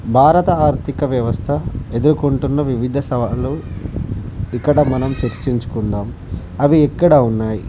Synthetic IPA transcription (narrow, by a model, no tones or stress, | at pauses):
bʱaːɾɐt̪ɐaːɾt̪ʰikɐʋjɐʋɐst̪ʰɐe̞d̪uɾukoɳʈunːɐʋiʋid̪ʱɐsɐʋaːlu | ikːɐɽɐmɐnɐmt͡ʃeɾt͡ʃiɲt͡ʃu̥kund̪aːm | ɐʋiːkːɐɽɐunːaːji